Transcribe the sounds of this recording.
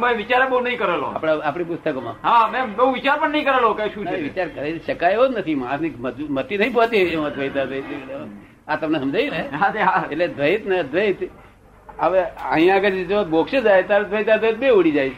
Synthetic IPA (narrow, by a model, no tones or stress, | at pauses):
mə̃ʋit͡ʃaɾebəunəĩkəɾelo̰a̰pɽaapɽipʊst̪əkomã̰ɦamebeũʋit͡ʃaɾpəɳnəĩkəɾelokajʃũt͡ʃʰeeʋit͡ʃaɾkəɾeʃəkajɦod͡ʒnət̪ʰimãsniməd͡ʒmət̪ːinəɦĩpɔ̃t̪iemd̪ʱʋəjt̪ad̪ʋəit̪e | at̪əmnesəmd͡ʒʱaineɦaeaeʈled̪ʱʋəit̪ned̪ʱʋəit̪ | əʋeã̰ɦĩãɡəɾed͡ʒobokʃed͡ʒajt̪aɾd̪ʱʋəjt̪ad̪ʋəit̪̚beuɽid͡ʒajʰ